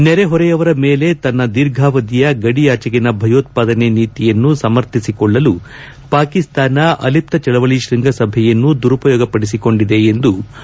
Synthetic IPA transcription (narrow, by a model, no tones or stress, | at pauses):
nɛɾeɦɔɾɛjɐʋɐɾɐmeːle̞t̪ɐnːɐd̪iɾɡʱaːʋɐd̪ijɐɡɐɽijaːt͡ʃɐɡinɐbʱɐjoːt̪̚paːd̪ɐneniːt̪ijɐnːusɐmɐɾt̪ʰisikɔɭːɐlu | paːkist̪aːnɐʔɐ̰lip̚t̪ɐt͡ʃɐɭɐʋɐɭiʃɾiŋɡʱɐsɐbʱɛjɐnːud̪uɾupɐjɔːɡɐpɐɽis̬iko̞ɳɖid̪e̞ːnd̪u